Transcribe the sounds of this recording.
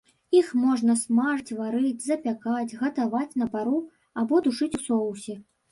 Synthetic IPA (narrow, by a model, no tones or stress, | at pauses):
ixmɔʐnɐsmaʐɨt͡sʲvaɾɨd͡zʲzɐpʲakad͡zʲɣɐt̪avat͡sʲn̪ɐpaɾu | abɔd̪uʂɨt͡sʲusɔwsʲɐ